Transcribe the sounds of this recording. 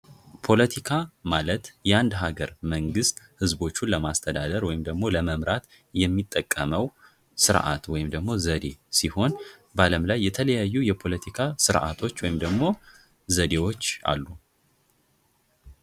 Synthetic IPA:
pʰo̞lət̪ʰikʰamalət̪jɛand̪ɦaɡəɾməŋɡɨst̪hɨzbo̞t͡ʃːunləmast̪ʰəd̪ad̪əɾwɔjɪmd̪əɡmo̞ləməmɾat̪ | jɛmːit̪ʼːəkʼːəməw | sɨɾʔa̰t̪wɔjɪmd̪əɡmo̞zəd̪e̞siho̞n | baləmlajːɛt̪ʰələjajːujɛpʰo̞lət̪ʰikʰasɨɾʔa̰t̪ʰo̞t͡ʃːwɔjɪmd̪əɡmo̞ | zəd̪e̞wo̞t͡ʃːa̰lːu

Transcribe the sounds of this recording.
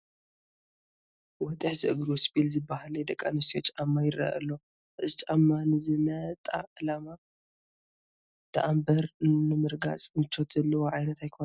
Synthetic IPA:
wɔt̪ʼɨħzɨʔɨɡɾosbilzɨbːahaled̪ɐkʼːanɨst̪ʰijot͡ʃʼamːajɪra̰ɐ̰lːo | ʔɨzt͡ʃʼamːanɨzɨmɐt̪ʼa̰ʔɨlama | d̪̥ɨʔambɐɾnɨmɨɾɡa̰t͡sʼmɨt͡ʃʰːot̪ʰɐlːɐwoʕajnɐt̪ajkʰon

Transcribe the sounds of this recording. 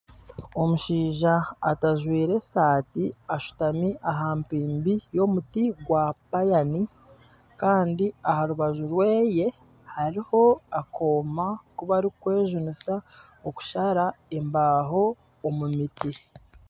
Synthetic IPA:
o̞muʃiːʒa̰ːtaʒwiːɾe̞saːtiaʃu̥tamiʔaɦaːmpiːmbijo̞mutiɡwapajani | kaːndiahaɾuβaʒuɾwe̞ːje̞ | haɾiho̞akʰo̞ːmakuβaɾikwe̞ːʒunisa | oku̥ʃaɾae̞mbaːɦo̞ː | mumiti

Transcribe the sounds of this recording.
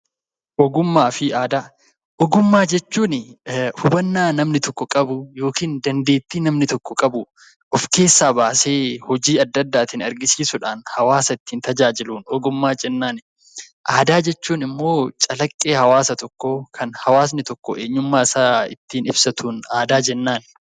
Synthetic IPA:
ʔɔɡʊmːaːfɪʔaːd̪aː | ʔɔɡʊmːaːd͡ʒɛt͡ʃːuːnɪhʊbɐnːaːnɐmnɪt̪ɔkːɔkʼɐbʊjo̞ːkiːnd̪ɐnd̪e̞ːt̪ːiːnɐmnɪt̪ɔkːɔkʼɐbʊ | ʔɔfke̞ːsːaːbaːse̞ːhɔd͡ʒiːɐd̪ːɐd̪ːaːt̪ɪnɐɾɡɪsiːsʊᶑaːnhɐwaːsɐɪt̪ːiːnt̪ɐd͡ʒaːd͡ʒɪluːnɔɡʊmːaːd͡ʒɛnːaːn | ʔaːd̪aːd͡ʒɛt͡ʃːuːnɪmːo̞ːt͡ʃʼɐlɐkʼːe̞ːhɐwaːsɐt̪ɔkːokʰɐnhɐwaːs̬nɪt̪ɔkːɔʔeːɲːʊmːaːɪsaːɪ̰t̪ːiːnɪbsɐt̪uːnaːd̪aːd͡ʒɛnːaːn

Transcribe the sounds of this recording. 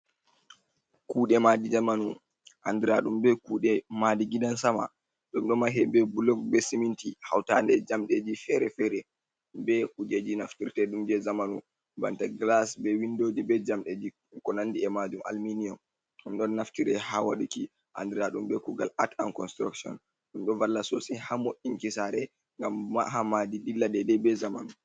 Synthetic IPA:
kuːɗɛmadid͡ʒamanu | ʔandiɾaɗumbɛkuːɗɛmadiɡidansama̰ | ɗɔmɗɔmaɦɛbɛbulɔɡbɛsimintiha̰wtandɛd͡ʒamɗed͡ʒifɛɾɛfɛɾɛ | bɛʔud͡ʒed͡ʒinaftiɾtɛɗumd͡ʒɛzamanṵ | ba̰ntaɡlasbɛwindod͡ʒibɛd͡ʒamɗed͡ʒi | kɔnandiɛmad͡ʒuma̰lminiɔm | ɗumɗɔnːaftiɾɛhawa̰ɗuki | ʔa̰ndɾaɗumbɛkuɡa̰lʔatankɔnstɾa̰ksɔ̰n | ɗumɗɔvalːasɔsihamoʔːiŋkisaɾɛ | ŋɡamːa̰ɦamadidilːadɛdɛbɛzamanu

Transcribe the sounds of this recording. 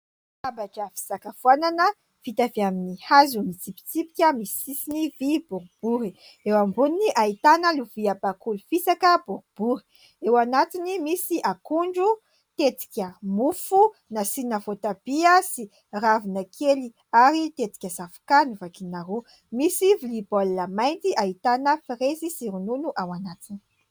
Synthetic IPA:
abaʈ͡ʂəfi̥sakafwananə | fit̪aveaminihazumit͡sipi̥t͡sipi̥kʲəmisi̥sisinivib̥uɾub̥uɾi | ewambuniniʔait̪anəluviabakulufisakəbuɾub̥uɾi̥ | ewanat̪inimisiʔakuɳɖ͡ʐu | t̪et̪i̥kʲəmufu | nasinəvot̪ab̥iasi | ravinəkʰeli | aɾit̪et̪i̥kʲəzafu̥kanuvakinaɾu | misivilibolnəmajnt̪iait̪anəfirezisiɾununuʔawanat̪ini̥

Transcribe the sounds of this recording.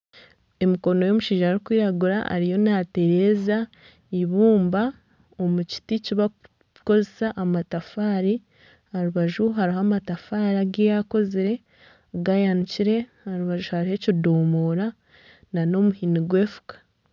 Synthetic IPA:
e̞miko̞no̞jo̞muʃiːʒaɾikwiːɾaɡuɾa̰a̰ɾijo̞nate̞ɾe̞ːza | iβuːmba | o̞muci̥ticiβa | ko̞zeesaʔamatafaːɾi | aɾuβaʒuɦaɾiɦamatafaɾaɡejako̞ziɾe̞ | ɡajanuciɾe̞ | aɾuβaʒuhaɾihe̞codoːmoːɾa | nano̞muhiniɡwe̞ːfu̥kḁ

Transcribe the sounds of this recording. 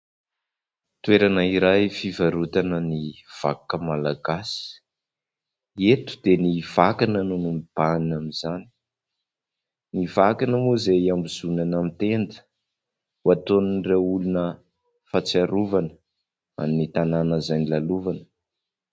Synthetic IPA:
t̪uweɾanəiɾajfivaɾut̪anəniv̥a̰kːəmalaɡasi̥ | et̪u̥d̪eniv̥akanənunumib̥annamizani̥ | nivakanəmozejambizunanamit̪end̪ə̥ | wat̪oninreulunə | fat͡saɾuvanə | a̰minit̪ananəzajnilaluvanə̥

